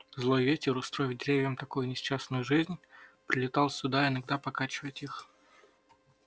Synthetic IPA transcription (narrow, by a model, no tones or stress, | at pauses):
zlˠo̞jvʲetʲɪɾʊst̪ɾojɪvdʲɪɾʲevʲɪjəmt̪ɐkojʊnʲɪst͡ɕːasnʊjʊʐɨzʲnʲpɾʲɪlʲɪt̪ɑlˠsʲʊd̪aɪnɐɡ̚d̪apɐkat͡ɕɪvəjɪtʲix